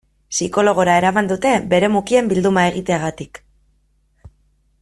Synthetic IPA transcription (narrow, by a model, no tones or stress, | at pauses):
siko̞lo̞ɣ̞o̞ɾae̞ɾamand̪ut̪e̞be̞ɾe̞mukie̞mbild̪umae̞ɣit̪e̞aɣat̪ik